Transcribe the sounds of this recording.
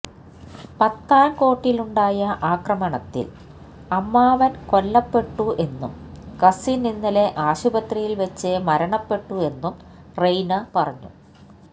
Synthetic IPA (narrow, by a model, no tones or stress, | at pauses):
pɐt̪ːaːnko̞ːʈːiluɳɖaːjɐʔaːkrɐmɐɳɐt̪ːḭl | ɐmːaːʋɐnko̞lːɐpːe̞ʈːuʔe̞nːṵmkɐsininːile̞ʔaːɕubɐt̪rijilʋɐt͡ɕːemɐɾɐɳɐpːe̞ʈːue̞nːum | rejnɐpɐrɐɲːṵ